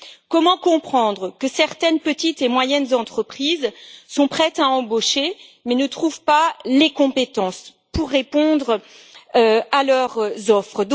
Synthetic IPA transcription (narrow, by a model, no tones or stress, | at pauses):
kɔmɑ̃kɔ̃pχɑ̃d̪ʁəkəsɛʁt̪ɛnpət̪it̪emwajɛnzɑ̃t̪χəpχizsɔ̃pχɛt̪aɑ̃boʃemɛnət̪χuvpalekɔ̃pet̪ɑ̃s | puʁːepɔ̃d̪ʁ | øalœʁzɔfχəd̪